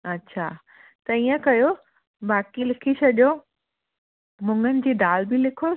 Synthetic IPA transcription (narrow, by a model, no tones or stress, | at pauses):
ɐtːɕʰa | t̪ɐiːə̃kɐjo | baːkilɪkʰiɕɐʄo | mʊ̃ŋɡənɪ̆d͡ʑiːd̪aːlbɪlɪkʰo